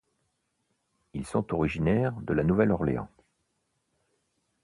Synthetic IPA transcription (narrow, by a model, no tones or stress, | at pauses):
ilsɔ̃t̪ɔʁiʒinɛʁd̪əlanuvɛlɔʁlḛɑ̰̃